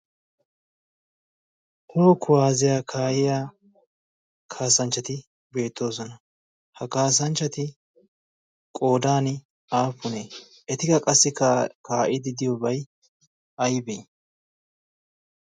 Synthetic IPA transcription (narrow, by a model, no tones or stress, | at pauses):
hoːkʰːʊwaːzɪjaːkʰaːʔɪjaː | kʰaːsɐnt͡ʃːɐt̪ɪ | be̞ːt̪ʰːo̞ːsɔnɐ | hɐkaːs̬ɐnt͡ʃːɐt̪ɪ | kʼo̞ːd̪aːnɪ | aːpːʊne | ɛt̪ɪkɐkʼɐsːɪkaːʔɪd̪ɪd̪ɪjobɐj | ɐjbɛj